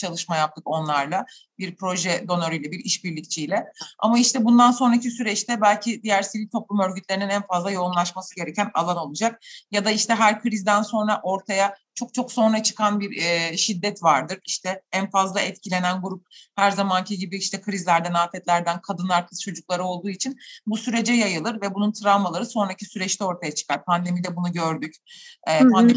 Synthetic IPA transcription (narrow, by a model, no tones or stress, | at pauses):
t͡ʃʰalˠɯʃmajap̚t̪ʰɯko̞nlˠaɾlˠa | biɾpʰɾo̞ʒɛd̪o̞noɾɯjlʲɛbiɾiʃbiɾlʲic̚t͡ʃʰijlʲɛa̰maiʃt̪ʰɛbund̪anso̞nɾacisyɾɛt͡ʃt̪ʰɛbælʲcʰid̪ijæɾsiɾit̪ʰo̞plˠumø̞ɾɟyt̪lʲeɾininænfazlˠajo̞umlˠaʃmasɯɟe̞ɾɛcʰæna̰lˠano̞lˠud͡ʒak̚jad̪aiʃt̪ɛɦæɾkʰɯɾizd̪ænso̞nɾaʔo̞ɾt̪ʰajat͡ʃʰo̞k̚t͡ʃʰo̞kso̞nɾat͡ʃʰɯ̥kʰanbiɾɛʃid̪ːɛt̪vaɾd̪ɯɾiʃt̪ʰɛænfazlˠaʔɛt̪cʰilʲe̞nænɡuɾup̚hæɾzamancʰiɟibiiʃt̪ʰɛkʰɯɾizlʲæɾd̪ænaːt̪ʰɛt̪lʲæɾd̪ænkʰad̪ɯnaɾk̪ʰɯt͡ʃʰo̞d͡ʒuk̚lˠaɾɯo̞lˠd̪uːit͡ʃʰinbusyɾe̞d͡ʒɛjajɯlˠɯɾvɛbununt̪ʰɾamalˠaɾɯso̞nɾacʰisyɾɛt͡ʃt̪ʰɛo̞ɾt̪ʰajat͡ʃʰɯ̥kʰaɾpʰand̪e̞mid̪ɛbunuɟø̞ɾd̪yc | ɛːpʰand̪e